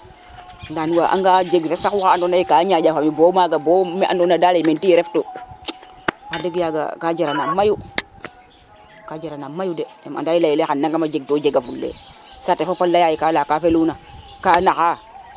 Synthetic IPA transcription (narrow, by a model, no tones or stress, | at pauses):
ndanwaʔa̰ŋɡad͡ʒeɡɾesakuaadonajikaɲad͡ʒafamibomaɡabomeʔa̰donadaleimentijɾefto | madeɡjaɡa̰kad͡ʒaɾanamaju | kad͡ʒaɾanamajudeḛma̰ndajilajileanːaŋkamad͡ʒeɡ̚tod͡ʒeɡavulːḛsatefopalːajajikalakafeluna | kanaka